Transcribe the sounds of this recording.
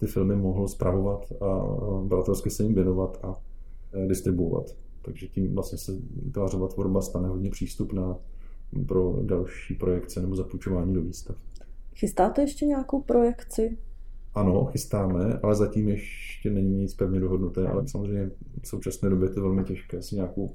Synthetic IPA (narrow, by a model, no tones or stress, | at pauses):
t̪ɪfɪlmɪmo̞ɦl̩spɾʔavo̞vat̪a̰bɾat̪ɛlskɪsɛjimvjɛno̞vat̪a | dɪst̪ɾɪbuova̰t̪ | t̪ːaɡʒɛciːmvlast̪ɲɛsɛt̪vaːrovat̪voɾbast̪anɛɦo̞dɲɛpr̝̥iːst̪upnaː | pɾo̞dalʃiːpɾo̞jɛkt͡sɛnɛbo̞zaput͡ʃo̞vaːɲiːdoviːst̪afxɪst̪aːt̪ɛjɛʃcɛɲakowpɾojɛkt͡sɪʔano̞xɪst̪aːmɛʔa̰lɛzaciːmjɛʃcɛnɛɲiɲɪt͡spɛvɲɛdoɦodnut̪ɛːʔa̰lɛsamozr̝ɛjmɲɛ | fso̞wt͡ʃasnɛːdobjɛjt̪ovɛlmɪcɛʃkɛːsɪɲaːkow